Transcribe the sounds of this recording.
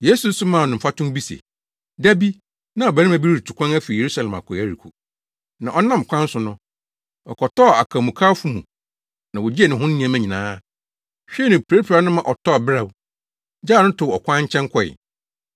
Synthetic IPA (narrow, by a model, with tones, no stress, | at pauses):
je˦su˨n̩˦sʊ˦mã˨nʊ̃˨m̩˨fa˦tʊ̃˦mbi˦sḛ˨ | dæ˦bi˦ | nã˦ɔ˨bɛ˨˦ɪ̃˦mã˨bi˦ɾi˦ɾi˨t͡ɕʰu˨kʰʷã˦næ˦fi˨je˨ɾu˦sa˨lɛ̃˨ma̰˨kʰɔ˨æ˦ɾi˨kʰu˨ | nã˨ʔɔ˦nã˦m˨kʷʰã˦n̩˦sʊ̃˨nʊ̃˦ | ɔ̰˨kʰɔ˨tʰɔ˦˨a̰˨kʰa˨mũ˨kʰaː˦fu˦mũ˨ | nã˨wɔ˨d͡ʑi˦ɛ˨nɪ̃˨ɦʊ̃˦nː˦nĩ˦ã˨mæ̃˦ɲĩ˨nãː˦ | ɕᶣɛ˦nʊ̃˨pʰe˦pʰɾa˨˦nʊ̃˦mã˨ʔɔ˨tʰɔ˦ɔ˨bɾa˨w | d͡ʑaː˦˨nʊ̃˦tʰʊ˨ɔ˨kʷʰã˦ɲ̩˦t͡ɕʰɛ̃˦ŋ˦kʰɔ˦˨ɪ̰˨